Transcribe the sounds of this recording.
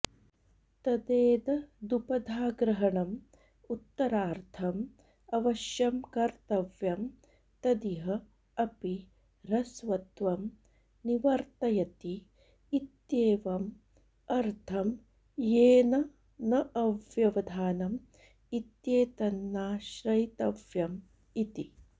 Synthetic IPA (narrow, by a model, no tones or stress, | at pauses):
t̪ɐd̪eːd̪ɐd̪upɐd̪ʱaːɡɾɐɦɐɳɐm | ut̪ːɐɾaːɾt̪ʰɐm | ɐʋɐʃjɐmkɐɾt̪ɐʋjɐm | t̪ɐd̪iɦɐ | ɐpi | ɾɐsʋɐt̪ʋɐm | niʋɐɾt̪ɐjɐt̪iː | t̪jeːʋɐm | ɐɾt̪ʰɐm | jeːnɐ | nɐʔɐʋjɐʋɐd̪ʱaːnɐm | it̪jeːt̪ɐnːaːʃɾɐjt̪ɐʋjɐm | it̪i